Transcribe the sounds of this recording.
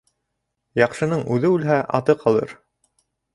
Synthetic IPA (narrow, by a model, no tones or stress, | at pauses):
jɑqʃɤ̆nɤɴʉðɘʉlɦæʔɑ̰t̪ɤqʰɑlˠɤ̰ɾ